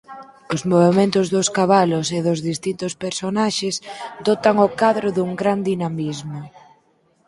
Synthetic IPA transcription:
ozmoβ̞emẽnt̪ʊzðʊskaβalʊseðʊzðist̪int̪ʊspeɾsonaʃezd̪ɔt̪aŋokaðɾʊðuŋɡɾand̪inamizmʊ

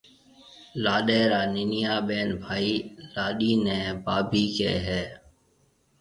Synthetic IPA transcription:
laːɗɛːɾaːnɪnɪjaːɓeːnbʱaːiːlaːɗiːnẽːbaːbʱiːkḛːɦɛː

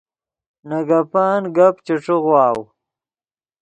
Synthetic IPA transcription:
naɡapaːnɡapt͡ʃiʈ͡ʂiɣwɑːw

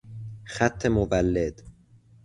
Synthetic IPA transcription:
xæt̪ʰːe̞movælːed̪̥

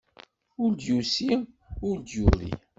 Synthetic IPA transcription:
ʊɾd̪jusi | ʊɾd̪juðḭ

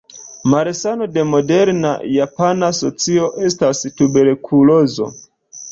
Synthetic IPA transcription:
maɾesano̞de̞mo̞de̞ɾna̰japanaso̞t͡sio̞ʔe̞stastube̞ɾkʰulo̞zo̞̰

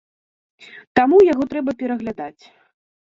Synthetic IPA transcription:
t̪amujaɣɔt̪ɾɛbɐpʲɛɾɐɣlʲad̪at͡sʲ

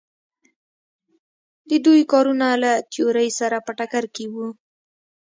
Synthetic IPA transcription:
d̪əd̪ujkɑɾunalat̪joɾəjsaɾapəʈakaɾkewu

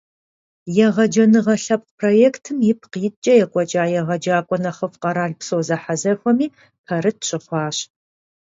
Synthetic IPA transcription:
jɛʁɐd͡ʒɐnɨʁɐɬɐp̚pʰroːjeːktʰɨmjɪpʰqiːt͡ʃʼɐjɛkʷʼɔt͡ʃʼaːjɛʁɐd͡ʒaːkʷʼɔnɐχɐfqɐɾaːɮpsowzɐħazɐfʷɔmiː | pʰɐrɨt̚ɕʼɨχʷɑːɕ

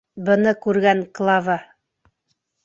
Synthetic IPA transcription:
bɤ̆nɤkʉɾɡæŋklˠɑvɑ

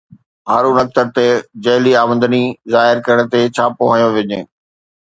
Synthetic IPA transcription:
ɦaːɾunɐk̚t̪əɾt̪ed͡ʑɐɦliaːmə̃nd̪ənizaːɦɪɾkɐɾəɽ̃ə̆t̪et͡ɕʰaːpoɦə̃joʋɪɲḛː

